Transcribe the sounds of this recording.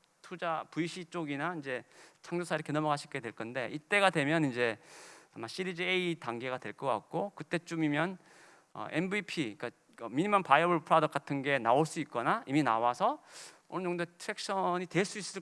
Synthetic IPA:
tʰud͡ʑapuiɕʰit͡ɕ͈oɡinaind͡ʑe̞t͡ɕʰaŋd͡ʑosʰaiɾʌkʰe̞nʌmʌɡaɕʰik͈edweɭk͈ʰʌnde̞ʔit͈e̞ɡadwe̞mjʌnind͡ʑe̞amaɕ͈ʰiɾid͡ʑieitaŋɡe̞ɡadwe̞ɭk͈ʌk͈a̰k̚k͈okɯt͈e̞t͡ɕ͈umimjʌn | ʌ̰ʔenbipʰik͈a | ʌmiɲimʌmpajʌbɯɭpʰɯɾadʌk͈atʰɯnɡe̞naoɭs͈uit̚k͈ʌnaiminawasʰʌ | onɯnt͡ɕoŋdotʰɯɾek̚ɕ͈ʰʌɲitwe̞ɭs͈uis͈ɯ

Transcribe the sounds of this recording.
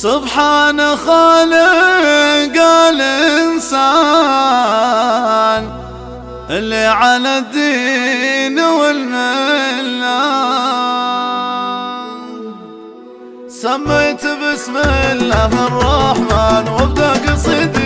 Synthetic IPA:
sʊbħaːnaxaːlɪ | ɡaːlʔɪnsa | n | ʔɪlːiʕalad̪ːi | nwɪlmɪlːa | samːajt̪bɪsmɪlːaːɦɨrˤːɑħmaːnwɪbd̪akɪsˤiːd̪

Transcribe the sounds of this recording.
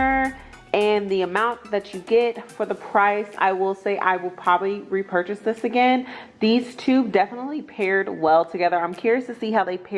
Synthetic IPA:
ə˞ | ɨ̃nðiɨmãʊ̃nðɨt͡ʃɨɡɛtfə˞ðəpʰɹ̥aɪsa̰ɪwɪlˠseɪʔa̰ɪwəlˠpʰɹ̥ɑbəbliɹipʰɜ˞t͡ʃɨsðɪsɨɡɛ̃nðiz̥tʰʉdɛfənətˡlipʰɛɹd̚wɛlˠtʰɨɡɛðə˞ãɪ̃mkʰʊɹiɨstʰɨsiɦaʊðeɪpʰɛ

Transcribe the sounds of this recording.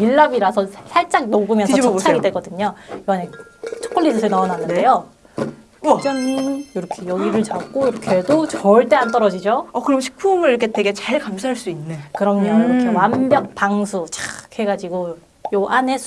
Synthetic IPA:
iɭːabiɾasʰʌssʰaɭt͡ɕ͈ak̚noɡumjʌnʰʌt͡ɕt͡ɕʰaɡidweɡʌdɯɲʌjoanet͡ɕʰʌk͈ʰʌɭːidʰɯsʰɯɭnaʌnanːɯndejo | d͡ʑʌŋimjoɾʌkʰe̞jʌɡiɾɯɭt͡ɕak͈oiɾʌkʰedot͡ɕʌɭt͈e̞ant͈ʌɾʌd͡ʑid͡ʑoʌkɯɾʌmɕʰi̥k̚pʰumɯɾiɾʌkʰeteɡe̞t͡ɕaɭkamsʰaɦaɭs͈uinːekɯɾʌmʌʌkʰe̞wanbjʌk̚paŋsʰut͡ɕḁkhe̞ɡad͡ʑiɡo | joʔane̞s

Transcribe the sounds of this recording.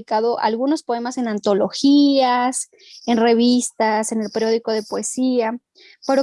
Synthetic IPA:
kaðo̞ʔa̰lɣuno̞spo̞e̞mase̞nant̪o̞lo̞xias | e̞nre̞β̞ist̪ase̞ne̞lpe̞ɾjo̞ðiko̞ðe̞poe̞sia | peɾo

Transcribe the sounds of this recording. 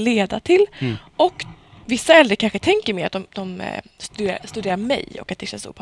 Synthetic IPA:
leːd̪at̪ʰɪlʔɔkː | vɪsːaɛld̪ɾəɾkʰanɧət̪ʰɛŋkəɾmeːɾat̪̚d̪ɔmd̪̥ɔmst̪d̪eːɾa̰st̪ɵd̪eːɾaɾmɛ̰jɔ̰kːat̪̚d̪ɛɕɛnsɔ̰pʰ

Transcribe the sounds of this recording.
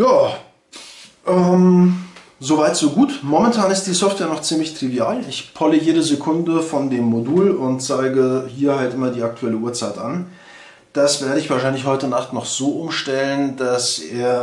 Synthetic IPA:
jaː | ʔɛːm | zovaɪtz̥oːɡuːtmɔmɛntʰaːnɪst̚d̥iːsɔftv̥eːɐnɔχt͡siːmlɪçtʁ̥iviaːlɪçpʰɔləjeːɾəzekʰʊndəfɔndeːmːoduːlʊnt̚t͡saɪɡəhiːɐhaltʔɪmɐdiːak̚tʰuɛləuːɐt͡saɪtʔan | d̥asv̥eːɐɾəɪçv̥aːɐʃaɪnlɪçhɔʏtənaχtnɔχz̥oːʔʊmʃtɛlənd̥aseːɐ

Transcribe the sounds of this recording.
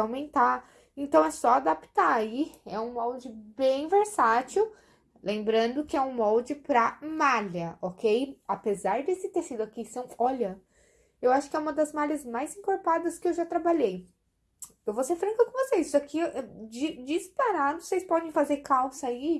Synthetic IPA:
awmẽnt̪a | ẽnt̪ɐ̃w̃ɛsɔad̪apt̪aiɛũmɔwd͡ʒɪbẽj̃veɾsat͡ʃiw | lẽmbɾɐ̃nd̪ʊkɪɛũmɔwd͡ʒɪpɾɐmalɐɔkejapezaɾd͡ʒ̪ɪsɪt̪eɾsid̪ʊakisɐ̃w̃ɔʎɐ | ewaʃʊ̥kɪɛũmɐd̪ɐzmaʎʲɐzmajzĩŋkoɾpad̪ɐskɪewʒat̪ɾabaʎej | ewvoseɾfɾɐ̃ŋkɐkõvosejssakiɛd͡ʒd͡ʒispaɾad̪ʊsejspɔd̪ẽj̃fazeɾkawsɐi

